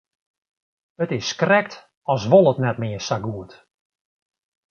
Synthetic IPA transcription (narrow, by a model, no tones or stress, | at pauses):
ətɪskrɛk̚t | ɔsʋolˠətnɛt̚mɪəsaɡuət